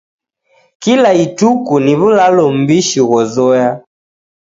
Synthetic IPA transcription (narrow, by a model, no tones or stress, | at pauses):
kilaitukuniβulalɔm̩biʃiɣɔzɔja